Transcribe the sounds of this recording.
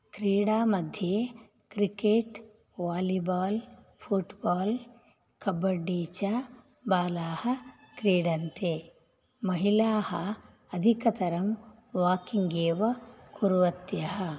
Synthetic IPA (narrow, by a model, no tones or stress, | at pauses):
kɾiːɽaːmɐd̪ʱjeː | kɾikeːʈ | ʋaːlibaːl | pʰuʈbaːl | kɐbɐɖːiːt͡ʃa | baːlaːhɐ | kɾiːɽɐnt̪eː | mɐɦilaːhɐ | ɐd̪ʱikɐt̪ɐɾɐm | ʋaːkiŋɡeːʋɐkuɾʋɐt̪jɐɦɐ